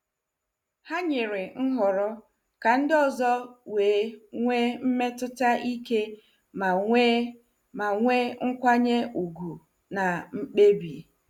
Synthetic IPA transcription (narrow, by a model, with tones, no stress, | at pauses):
ha˦ɲe˨ɾɪ˨ŋ̩˦ɦʊ˨ɾɔ˦ | ka˨n̩˦dɔ˦zɔ˦weː˨˦ŋʷe˦m̩˦me˦tʊ˦ta˦ʔi˦ke˦ | ma˨e˦ | ma˨ŋʷe˦ŋ̩˦kʷa˦ɲe˦u˨ɡu˨ | na˨ŋ͡m̩˦k͡pe˦bi˨